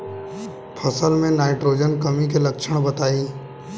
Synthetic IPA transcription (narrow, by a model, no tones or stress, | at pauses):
pʰɐsəlmẽnaːɪʈɾoːd͡ʒənkɐmikelɐkʃʰəɽ̃bɐt̪aːiː